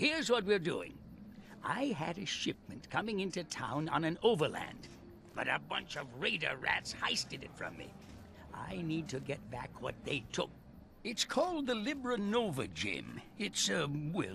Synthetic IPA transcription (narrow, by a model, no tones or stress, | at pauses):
hiɹzwʌt̚wiɹdṵɪ̰̃ŋ | ʔaɪɨɾɨʃɪp̚mɨ̃nkʰʌmɪ̃ŋɪ̃ntʉtʰã̰ʊ̃nə̰̃nɨ̃noʊvə˞læ̰̃nd | b̥ʌɾɨbʌ̃nt͡ʃʌvɹeɪɾə̰˞ɹæ̰tshaɪstɨɾɨ̰tfɹʌ̰̃mːḭ | ʔa̰ɪnid̚tʰɨɡɛt̚b̥æ̰kʰwʌt̪̚ðeɪtʰʊ̰k̚ | ɨtskʰɔlˠd̪̚ðəlɪbə˞ənoʊvə˞d͡ʒɪ̰̃mɪtsɨwɪ